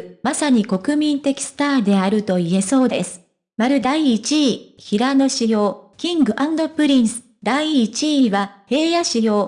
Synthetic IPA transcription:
masaɲ̟iko̞kɯ̟mʲĩnt̪e̞kʲi̥sɨ̥t̪aːd̪e̞aɾɯ̟t̪o̞ie̞so̞ːd̪e̞sɨ̥ | maɾɯ̟d̪aiːt͡ɕiçiɾano̞ɕijo̞ːkʲĩŋɡɯ̟ʔãnd̪o̞pɯ̟ɾʲĩɰ̃sɨ̥ | d̪aiːt͡ɕiβahe̞ːjaɕijo̞ː

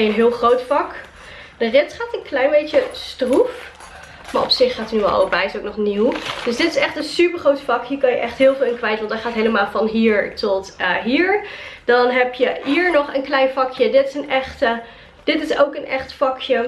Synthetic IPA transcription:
jənɦɪːlˠχrowtfɑk | d̥ərɪtχaːtənklɛjnbejtəstruf | maːɹʔɔ̰psɪχːaːtənyʋɛlˠɑ̰lˠəbɛjɪsowk̚nɔχniwd̥əsdɪtɪsɛχtənsypəɹχrowtfɑkɦiːɹkɑnjəʔɛχtɦɪːlˠvɪːlˠɪnkʋɛjtəʋɑntdɛɹχaːtɦejləmaːlˠvɑnɦiːɹtɔtəɦiːɹd̥ɑnɦɛpjəɦiːɹnɔχə̰nklɛjnvɑkʰjədɪtɪsənɛχtə | d̥ɪtɪsowkənʔɛ̰χtfɑkʰjə

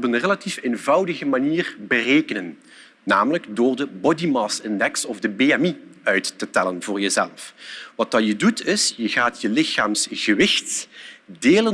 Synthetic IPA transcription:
ɔpənrelatifeːnvɑwdəɣəmaniːrbərejkənənː | aːmələɡdoːrdəbɔdimɑsɪndɛksɔvdəbeɛmiœɥtːətɛlənvʊːɹjəzɛlfʋɑtɑjədutɪsjəɣaːtjəlɪxaːmsɣəʋɪxtdeːlə

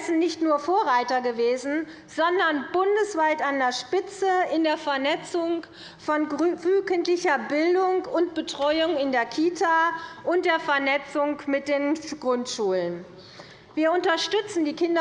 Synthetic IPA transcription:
sn̩nɪçtnuːɐfoːɐʁaɪtɐɡəveːzn̩ | z̥ɔndɐnbʊndəsv̥aɪtandeːɐʃpɪt͡səɪndeːɐfɛɐnɛt͡sʊŋ | fɔnvyːkəntlɪçɐbɪldʊŋʊnt̚b̥ətʁ̥ɔʏʊŋɪndeːɐkʰiːtʰaːʔʊnt̚d̥eːɐfɛɐnɛt͡sʊŋkmɪt̚d̥eːnɡ̥ʁʊntʃuːlən | viːɐʊntɐʃtʏt͡sn̩diːkɪndɐ

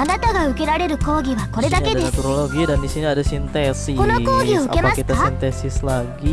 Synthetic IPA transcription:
anat̪aɡaɯ̟ke̞ɾaɾe̞ɾɯ̟ko̞ːɡʲiβako̞ɾe̞d̪ake̞daet̪uɾoloɡidandisiniadasint̪esiko̞noko̞ːɡʲioɯ̟ke̞maski̥tk̪aint̪esislaɡi

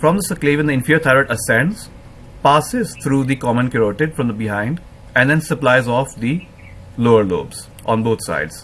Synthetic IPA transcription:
fɾɔ̃md̪əsəkleːʋɪ̃ndiɪ̃nfiəɾt̪ʰaɪɾəʈəsɛ̃ns | paːsɪzt̪ʰɾuːd̪ikɔmə̃nkəɾoːʈɪɖfɾɔ̃md̪əbɪɦãɪ̃ɳɖ | ɛ̃ɖd̪ɛ̃nsəplaɪzɔːfd̪i | loːəɾlo̰ːbz̥ | ʔɔ̰̃ːnboːt̪ʰsa̰ɪɖz̥

